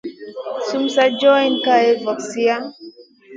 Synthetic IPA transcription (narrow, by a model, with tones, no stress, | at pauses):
sumsad͡ʒɔ˦inkaɛ˦vɔ˨ksi˦a˦